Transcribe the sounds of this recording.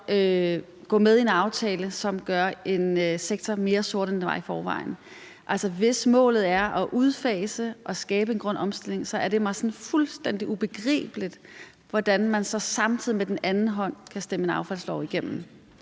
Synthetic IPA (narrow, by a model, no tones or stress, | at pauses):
ø | ɡ̥ɔ̰̽ːmeð̞ˠie̝nɑ̈ʊt͡sʰɛːləsɒ̽mɡ̥ɶɐʔe̝nøseɡ̥̚t͡sʰɒme̝ːɐsoɐɾ̥end̥eʋɑ̈ɪfɒːʋɑ̰̈ɪn̩ | ʔælsɐʋe̝smɔ̰̽ːlð̩ˠæɐʔɒ̽ʔuð̞ˠfɛːɪsəʔɒ̽sɡ̥ɛːb̥əe̝nɡ̥ʁɔ̽n̰ɒ̽msd̥e̝l̰e̝ŋsɒ̽æɐd̥e̝mɑ̈ɪsɒ̽nfulsd̥en̰d̥iʔub̥e̝ɡ̥ʁɛ̰ːb̥əlid̥ | ʋɒd̥ænmænsɒ̽sɑ̈mt͡sʰið̞̰ˠimed̥enænn̩ɦɒ̽n̰kʰæsd̥eməenɑ̈ʊfæl̰slɒʊ̰iɡ̥em̰m̩